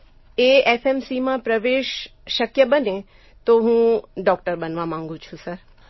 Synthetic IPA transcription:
eefemsimãpɾəʋeːʃːəkjəbəne | t̪oɦũːɖɔkʈəɾbənʋamãŋɡũt͡ʃʰũsəɾ

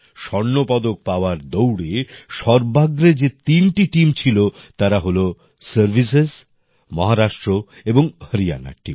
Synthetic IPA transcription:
ʃɔɾnːopɔd̪ok̚paoaɾd̪owɽeʃɔɾbaɡɾed͡ʑet̪inʈiʈimt͡ɕʰilot̪aɾaɦolo | səɾbʱisez | mɔɦaɾaʃʈɾo | eboŋhəɾia̰na̰ʈḭ

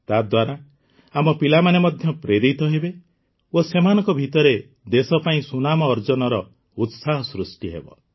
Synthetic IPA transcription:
t̪ad̪waɾa | amɔpilamanemɔd̪ʱjɔpɾeɾit̪ɔɦebe | osemanɔ̃ŋkɔbʱit̪ɔɾe | d̪esɔpaĩsunamɔːɾd͡ʒɔnɔɾɔ | ut̪saɦɔsɾusʈiɦḛbɔ̰

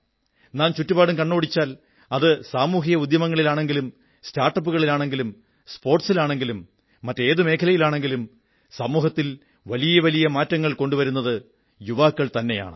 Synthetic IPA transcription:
naːnt͡ɕutːubaːɽumkɐɳːo̞ːɽit͡ɕːaːl | ɐðɨsaːmuːɦijɐud̪jɐmɐŋːɐɭilaːɳe̞ŋɡilum | staːrʈːɐp̬ːuɣɐɭilaːɳe̞ŋɡilum | spo̞ːrʈsilaːɳe̞ŋɡilumː | ɐtːe̞ːðɨme̞ːkʰɐlɐjilaːɳe̞ŋɡilum | sɐmuːɦɐt̪ːil | ʋɐlijɐʋɐlijɐmaːtːɐŋːɐɭko̞ɳɖuʋɐɾunːɐðɨ | juʋaːkːɐɭt̪ɐnːe̞ja̰ːɳɨ

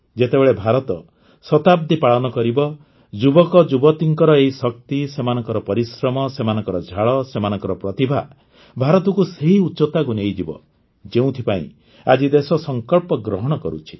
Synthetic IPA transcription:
d͡ʒet̪ebeɭebʱaɾɔt̪ɔ | sɔt̪ab̚d̪ʱipaɭɔnɔkɔɾibɔ | d͡ʒubɔkɔd͡ʒubɔt̪iŋkɔɾɔeisɔk̚t̪isemanɔŋkɔɾɔpɔɾisɾɔmɔsemanɔŋkɔɾɔd͡ʒʱaɭɔsemanɔŋkɔɾɔpɾɔt̪ibʱa | bʱaɾɔt̪ɔkuseɦiutːt͡ʃɔt̪akunejd͡ʒibɔ̰ | d͡ʒeũt̪ʰipaḭ̃ | a̰d͡ʒid̪esɔsɔŋkɔɭpɔɡɾɔɦɔɽ̃ɔkɔɾṵt͡ʃʰi̥

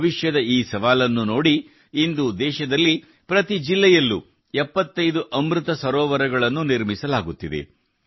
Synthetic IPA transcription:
ʋiʃjɐd̪ɐiːsɐʋaːlɐnːuno̞ːɽiː | nd̪ud̪ɛːʃɐd̪ɐlːi | pɾɐt̪id͡ʒilːɛjɐlːu | ɛpːɐt̪ːɐjd̪uʔɐmɾɯt̪ɐsɐɾɔːʋɐɾɐɡɐɭɐnːuniɾmisɐlaːɡut̪ːid̪ḛ

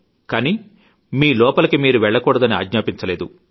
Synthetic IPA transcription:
kaːni | miːlɔːpɐlɐkimiːɾuʋɛɭːɐkuːɽɐd̪ɐnia̰ːɡɲaːpiɲt͡ʃɐle̞ːd̪u

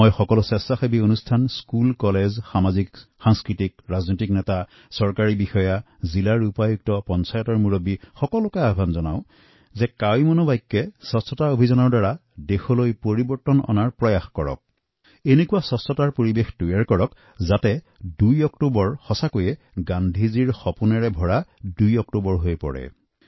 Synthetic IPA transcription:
ojxɔkɔlɔsɛsaxebionustʰanskulkɔlezxamazikxaŋskɹitik̚ɹaznotiknɛta | sɔɹkaɹibixɔja | zilaɹupajuk̚tɔpɔnsajɔtɔɹmuɹobixɔkɔlʊkajabʱanzɔna̰ʊ̃ | zɛkawjmɔnɔbajkːɛsɔstɔtaobʱizɔnɔɹdaɹadexɔlojpoɹibɔɹtɔnɔ̰naɹpɹɔjaxkɔɹɔ̰k̚ | enekuwasɔstɔtaɹpoɹibexdujaɹkɔɹɔk | zatɛ | dujɔktubɔɹxɔsakojɛ | ɡandʱiziɹxɔpunɛɹɛbʱɔɹadujɔktobɔɹɦojpɔ̰ɹɛ̰

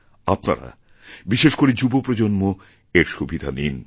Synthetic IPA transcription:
apna̰ɾa̰ | biʃeʃkoɾid͡ʑubopɾod͡ʑonmo | eɾʃubʱid̪ʱanin

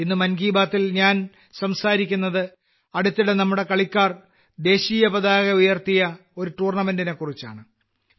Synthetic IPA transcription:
inːɨmɐnɡiːbaːt̪ːilɲaːn | sɐmsaːɾikʲːunːɐðɨ | ɐɽut̪ːiɽe̞nɐmːuɽe̞kɐɭikʲːaːr | d̪e̞ːɕiːjɐpɐd̪aːɣɐujɐrt̪ijɐ | o̞ɾuʈuːrɳɐmendine̞kːurit͡ɕːa̰ːɳɨ

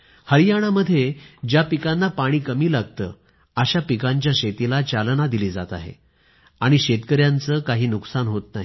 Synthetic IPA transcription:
həɾijaɽ̃aməd̪ʱːjed͡ʑjapikanːapaɽ̃iːkəmiːlaɡt̪ə̰ː | əɕapikaɲt͡ɕjaɕet̪ilat͡ɕalnad̪iliːd͡zat̪a̰ɦḛ | aɽ̃iɕet̪kəɾjant͡səkaɦiːnuksanɦot̪naɦi

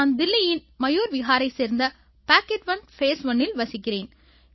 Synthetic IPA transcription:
nd̪ɪlːɪjɪnmɐjoːɾʋɪɣaːɾɐɪseːɾnd̪ɐ | paːkːɛʈʋɐnfeːsʋɐnːɪlʋɐsɪkːɪreːn

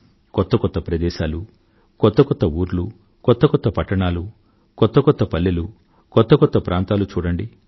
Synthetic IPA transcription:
kɔt̪ːɐkɔt̪ːɐpɾɐd̪ɛːʃaːlu | kɔt̪ːɐkɔt̪ːɐuːɾlu | kɔt̪ːɐkɔt̪ːɐpɐʈːɐɳaːlu | kɔt̪ːɐkɔt̪ːɐpɐlːelu | kɔt̪ːɐkɔt̪ːɐpɾʔaːnt̪aːlut͡ʃuːɽɐɳɖi

